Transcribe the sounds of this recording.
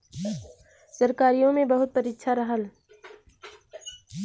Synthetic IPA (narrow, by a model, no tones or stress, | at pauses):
səɾkaːɾijõmẽbɐɦʊt̪̚pəɾɪtːʃʰaɾɐɦəl